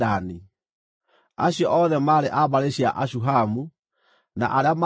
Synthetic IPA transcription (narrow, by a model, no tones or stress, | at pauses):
ani | aɕjɔʔɔðɛmaːɾeʔaβaɾeɕiaʔaɕ̬uɦamu | na̰ʔaɾeama